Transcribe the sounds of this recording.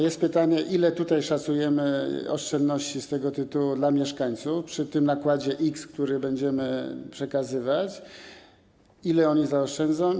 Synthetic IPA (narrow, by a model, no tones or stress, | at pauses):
jɛst̪̚pɘt̪aɲɛʔilɛt̪ut̪ajʂat̪sujɛmɘɔ̰ʂt͡ʂɛnd̪nɔɕt͡ɕist̪ɛɡɔt̪ɘt̪uwud̪lamʲjɛʂkaɲt̪sufpʂɘt̪ɘmnakwad͡ʑɛʔikskt̪uɾɘbɛɲd͡ʑɛmɘpʂɛkazɘvat͡ɕ | ilɛɔɲizaɔʂt͡ʂɛnd̪zɔ̃w̃